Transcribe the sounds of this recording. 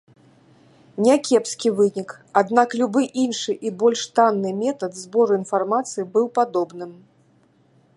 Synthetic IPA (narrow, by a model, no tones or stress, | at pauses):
nʲakʲɛpskʲivɨnʲik | ad̪naklʲubɨʔinʂɨʔibɔlʲʂt̪anːɨmʲɛt̪ɐt̪zbɔɾuinfarmat̪sɨjibɨwpad̪ɔbnɨm